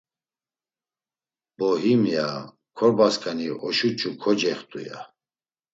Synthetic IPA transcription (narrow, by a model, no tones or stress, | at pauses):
b̥ɔɦimja | kʰɔɾbaskʰʼaniɔʃut͡ʃʰʼukʰɔd͡ʒɛχt̪ʼṵja̰